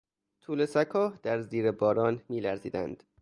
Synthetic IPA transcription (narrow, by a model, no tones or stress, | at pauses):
t̪ʰuːle̞sækʰɒːhd̪̥æɾziːɾebɒːɾɒːnmiːlæɾziːd̪æ̰nd̪̥